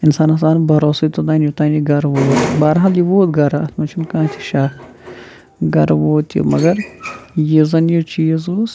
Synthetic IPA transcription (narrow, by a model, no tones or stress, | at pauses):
ɪnsaːnɐs̬aːnbʱɐɾoːsɐt̪od̪aːnjut̪aːniɡɐɾʋoːt̪baːɾɦaːljiʋoːt̪ɡɐɾaɐt̪mɐt͡ʃʰunkãːt͡ʃ̪ʰi̥ʃaːk | ɡɐɾʋoːt̪ṵmɐɡɐɾjizɐnjot͡ʃiːzos